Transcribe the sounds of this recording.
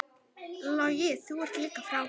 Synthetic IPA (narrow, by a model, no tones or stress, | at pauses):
lɔjɛsɪwɐrkʰlɪkʰɐfɾa